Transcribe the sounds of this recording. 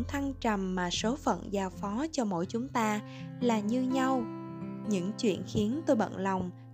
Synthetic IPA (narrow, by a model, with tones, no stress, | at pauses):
ŋt̪ʰa˧ŋt͡ɕa˨˩mːaː˨˩so˨˦fə̰˧˨nzaː˨˧˩wfɔ˨˦t͡ɕɔ˧mo̰˧˥jt͡ɕʊ˨˦ŋ͡mt̪aː˧ | laː˨˩ɲɨ˧ɲa˧wɲɨ̰˧˥ŋt͡ɕwḭ˧˨ənxi˨˦ənt̪o˧jɓə̰˧˨nla˨˩wŋ͡m